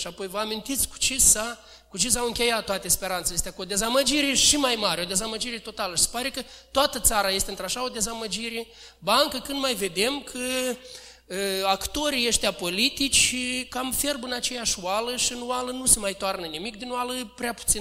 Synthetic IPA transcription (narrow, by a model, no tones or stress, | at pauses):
ʃiapo̞jvəamint̪it̪sʲku̥t͡ʃisa | kut͡ʃis̬awɨŋkʲe̞jat̪̚t̪ːoat̪espe̞ɾant̪sejest̪akod̪e̞zaməd͡ʒiɾe̞ʃimajmaɾʲeo̞d̪e̞zaməd͡ʒiɾe̞t̪o̞t̪aləʃise̥paɾe̞kət̪oat̪ət̪saɾaje̞st̪eɨnt̪ɾaʃao̞d̪e̞zaməd͡ʒiɾe̞ | baɨŋkəkɨnd̪majve̞d̪e̞mkʰə | akt̪o̞ɾijeʃt̪eapo̞lit̪it͡ʃʲkamfe̞rbɨnat͡ʃe̞jaʃwaləʃiɨnwalənusemajt̪oarnənimikd̪inwaləpɾeapu̥t̪sin